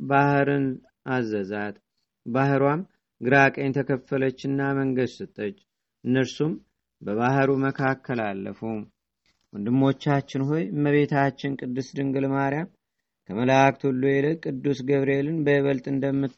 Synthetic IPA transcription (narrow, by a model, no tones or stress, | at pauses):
bahɾɨn | azːəzat̪ | bahɾwam | ɡɨɾakʼəɲt̪ʰəkʰəfələt͡ʃːɨnːaməŋɡəd̪sɨt̪ʼːət͡ʃː | ʔɨnːəɾsum | bəβahɾuməkʰakʰːəlalːə̰fum | wʊnd̪ɨmːo̞t͡ʃːat͡ʃːɪnɦo̞jməβe̞t̪ʰat͡ʃːɪnkʼɨd̪ːɨsd̪ɨŋɡɨlmaɾjam | kʰəməlakt̪ʰulːujeləkʼɨd̪ːusɡəβɾe̞lɨnbəβəlt̪ʼɨnd̪əmːɨt̪